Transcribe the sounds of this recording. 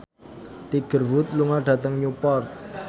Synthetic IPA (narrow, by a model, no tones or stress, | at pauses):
t̪iɡ̥ə̤rwʊt̪̚luŋaɖ̥ä̤t̪əŋɲupɔrt̪̚